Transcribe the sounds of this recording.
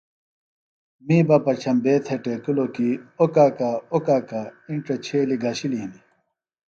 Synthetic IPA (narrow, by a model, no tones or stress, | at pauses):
miːbɐpɐt͡ɕʰɐmbeːt̪ʰeʈeːkulokiokaːkaokaːkaiɳʈɐt͡ɕʰeːliɡaːɕiliɦĩni